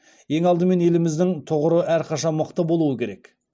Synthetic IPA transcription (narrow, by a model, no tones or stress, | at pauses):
je̞ŋɑlˠd̪əme̞ne̞lɪmɪzd̪ɪŋt̪ʰʊʁəɾəʔæɾqʰɑʃɑnməqt̪əbo̞lˠuəkʲʰe̞ɾe̞k